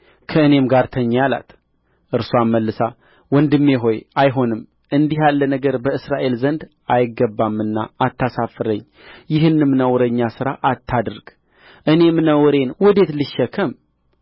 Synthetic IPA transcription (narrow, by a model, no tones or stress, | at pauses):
kʰəɨne̞mɡaɾt̪ʰəɲːjala̰t̪ | ʔɨɾsoamːəlːɨsa | wɔnd̪ɨmːeɦo̞jajɦo̞nɨm | ʔɨnd̪iɦjalːənəɡəɾbəɨsɾaʔe̞lzənd̪ | ʔajɪɡːəbːamːɨnːa̰ːt̪ʰːasafɨɾəɲː | jɪɦɨnːɨmnəwɾəɲːasɨɾaʔat̪ʰːad̪ɾɡ̥ | ʔɨne̞mnəwɾe̞nwɔd̪e̞t̪lɨʃːəkʰəm